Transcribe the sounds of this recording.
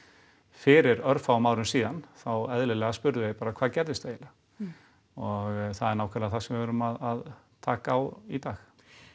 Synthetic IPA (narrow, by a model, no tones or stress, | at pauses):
fɪɾɪɾœɾfawmaːwɾʏnsiːðanθawɛðlɪlɛɣaspʏɾðʏðepaːɾakʰvaːðcɛɾðɪst̪ejɪla | ɔɣθaðɛɾnawkʰvɛɾlaθḁsɛmvɪvʏːɾʏmaðað | t̪ʰaːkaːwit̪aːx